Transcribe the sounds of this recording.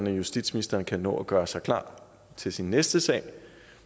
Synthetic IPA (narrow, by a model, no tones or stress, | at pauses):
næjusd̥ḭd̥sminisd̥ɐːnkʰænɔ̰̽ːɒɡ̥ɶːɐsɑ̈ɪkʰlɑ̰̈ː | t͡sʰe̝lsinːesd̥əsɛ̰ːɪ